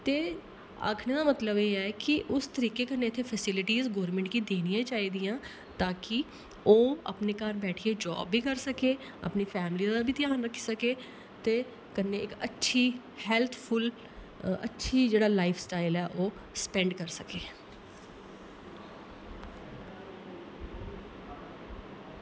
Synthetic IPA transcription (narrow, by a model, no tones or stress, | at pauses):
t̪eː | a̰ːkʰneːd̪aːmət̪ləbeːɛːkɪʔʊst̪əɾiːkeːkənːeːɪt̪ʰːepʰɛsɪlɪʈiːzɡɔːɾmɛ̃ɳʈkiːd̪eːnijãːt͡ʃaːiːd̪ijãː | t̪aːkɪ | oːə̰pneːkaːɾbɛːʈʰieːd͡ʒɔ̰ːbːiːkəɾsəkeː | ə̰pniːpʰɛːmliːdd̪aːbʱiːt̪ɪjaːnɾəkʰːi̥səkeː | t̪eː | kənːeːɪkətːʃʰiː | hɛːlt̪ʰpʰʊl | ə̰tːʃʰiːd͡ʒeːɽaːlaːɪfʰsʈaːɪlɛːʔoː | spɛ̃ɳɖkəɾsəkeː